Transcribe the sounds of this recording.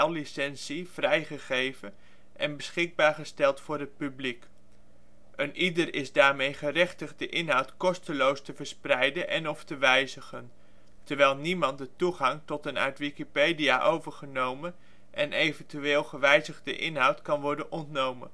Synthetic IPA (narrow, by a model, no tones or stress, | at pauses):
ɛllisɛnsiv̥rɛjχəχejvən | ʔɛnbəsχɪɡ̚baːɹχəstɛlˠtfʊːɹɦət̚pyblik | ənʔidərɪzdaːɹmejχərɛχtəχdəʔɪnɦɑwtkɔstəlowstəvəɹsprɛjdənʔɛ̰nɔftəʋɛjzəχən | təɹʋɛjlˠnimɑntdətuχɑŋtɔtəna̰ɥtʋikipejdija̰ʔowvəɹχənowmən | ʔɛnʔejvəntyʋeːlˠχəʋɛjzəχdəʔɪnɦɑwtkɑnʋɔɹdənʔɔntnowmə̰n